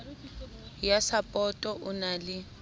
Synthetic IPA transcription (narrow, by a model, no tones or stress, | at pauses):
jasapʼɔtʼɔʔʊnalɪ